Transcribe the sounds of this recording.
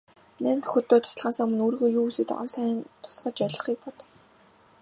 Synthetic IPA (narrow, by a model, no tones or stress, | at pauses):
neːnt̪ʰxɵt̪ːoːt̪ʰʊ̥s̆ɮʁaːsə̆ŋmɵ̆nuːrɣoːjuːusɘ̆t̪ɔ̰rsæːnt̪ʰʊ̥sɢə̆t͡ɕœɮə̆χiːk̚pɔt̪ɞ̥̆w